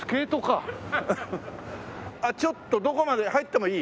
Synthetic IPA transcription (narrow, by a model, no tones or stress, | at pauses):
ɨ̥ke̞ːt̪oka | at͡ɕo̞t̪ːod̪o̞ko̞mad̪e̞hait̪ːe̞mo̞iː